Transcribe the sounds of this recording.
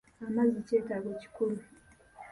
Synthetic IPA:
amaziceːtaɡoci̥kuɾu

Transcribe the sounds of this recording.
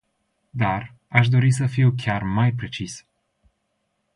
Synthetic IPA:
d̪ar | aʃd̪o̞ɾisəfiwk̬ʲarmajpɾe̞t͡ʃis

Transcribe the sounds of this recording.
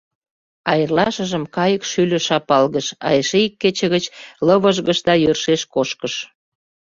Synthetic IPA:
ɑjərlɑʃəʒəmkɑjəkʃylə̆ʃɑpɑlɣəʃɑ̰jeʃeikːet͡ɕə̆ɣət͡ɕlə̆βəʒɣəʃd̪ɑjørʃeʃkoʃkəʃ

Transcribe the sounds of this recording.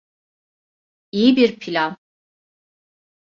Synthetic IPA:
ijibiɾpʰilʲan

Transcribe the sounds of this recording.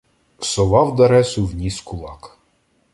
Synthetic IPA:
sɔlˠɑwd̪ɐɾɛsʊwnʲiskʊlˠɑk

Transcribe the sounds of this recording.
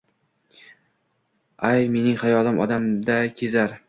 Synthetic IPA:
ajme̞nɪŋχajɒlˠɪmɒ̰d̪amd̪akʲʰezaɾ

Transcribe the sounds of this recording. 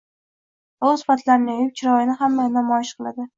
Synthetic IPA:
ozfat̪ʰlaɾnɪɒjɪp̚t͡ʃʰɪɾɒjɪnɪɦamːajnamɒjɪʃqɨlˠad̪ɪ

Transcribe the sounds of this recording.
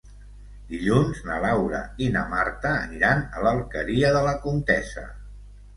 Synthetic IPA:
d̪iʎunznəlawɾə̰inəmaɾt̪əːniɾanələlˠkəɾiəðələkunt̪ɛsə̰

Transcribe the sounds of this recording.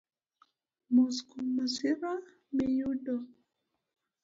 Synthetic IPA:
muskumasiɾa | mejudɔ

